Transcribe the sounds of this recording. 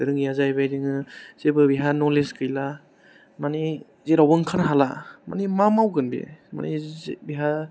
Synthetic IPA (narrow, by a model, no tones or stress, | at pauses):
dɯɾɯŋjazajbajdiŋɯz̥ebɯbiɦanɔleskɯjla | mani | zeɾawbɯŋkʰanaɦalama̰nimamawɡɯnbḭma̰nibiɦa